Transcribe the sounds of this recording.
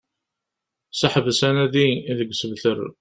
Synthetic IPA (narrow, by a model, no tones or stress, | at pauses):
səħəvəsænæðiðəɡːsəvθəɾ̰